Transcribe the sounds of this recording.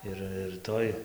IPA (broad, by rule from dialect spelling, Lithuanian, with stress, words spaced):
ˈɪr ɪr ˈtoːj